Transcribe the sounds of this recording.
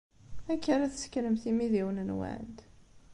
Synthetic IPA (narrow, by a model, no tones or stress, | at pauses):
ækːəɾæθəskɾəmθimiðiwənənwa̰ʕnd̪